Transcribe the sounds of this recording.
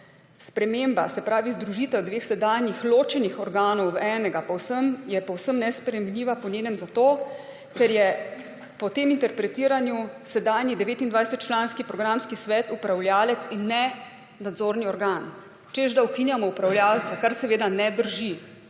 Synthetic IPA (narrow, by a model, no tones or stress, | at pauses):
spɾɛmembasɛpɾaːʋizd̪ɾuʒiːt̪ɛwd̪ʋeːxsɛd̪aːnjixloːt͡ʃɛnixɔɾɡaːnɔwɛːnɛɡapɔwsəmjɛpɔwsəmnɛspɾɛminliːʋapɔnʲeːnɛmzat̪oː | kɛɾjɛ | pɔt̪eːmint̪ɛɾpɾɛt̪iːɾanjusɛd̪aːnjid̪ɛʋeːt̪ind̪ʋajsɛt̪̚t͡ʃlaːnskipɾɔɡɾamskisʋɛːt̪upɾawljaːlɛt̪sinːɛ | nad̪zoːɾniɔɾɡaːn | t͡ʃeʒd̪aukinjamɔupɾawljaːlt̪sɛkaɾsɛʋeːd̪anɛd̪əɾʒi